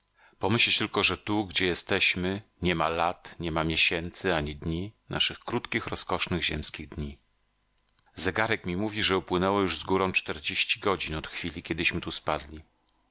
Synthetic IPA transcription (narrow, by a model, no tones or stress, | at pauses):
pɔmɘɕlɛt͡ɕt̪ɘlkɔʐɛt̪uɡd͡ʑɛjɛst̪ɛɕmɘɲɛmalat̪ɲɛmamʲjeɕɛnt̪sɘaɲid̪ɲinʔa̰ʂɘxkɾut̪kʲixɾɔskɔʂnɘɣʑɛmskʲiɣd̪ɲi | zɛɡaɾɛkmʲimuvʲiʐɛupwɘnɛwɔjuʐzɡuɾɔ̃w̃t͡ʂt̪ɛɾd͡ʑeɕt͡ɕi̥ɡɔd͡ʑinɔt̪xfʲilʲikʲɛd̪ɘɕmɘt̪uspad̪lʲi